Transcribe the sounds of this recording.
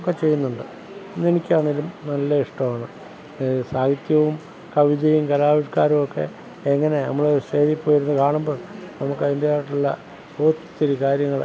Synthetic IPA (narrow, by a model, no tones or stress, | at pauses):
kːet͡ɕe̞jːunːuɳɖɨ | nenikʲːaːɳiɾunɐlːɐiʂʈɐmaːɳɨ | saːɡit̪jɐʋum | kɐʋid̪ɐjumkɐlaːʋiʂkaːɾumokːe̞̰ | eŋːɐne̞nɐ̰mːɐɭouʂeːðipːo̞ːjiɾunːukaːɳumbo̞ːɭnɐmukːɨind̪jaːʈːilːɐ̰ | oːt̪t̪ːiɾukaːɾjɐŋːɐɭ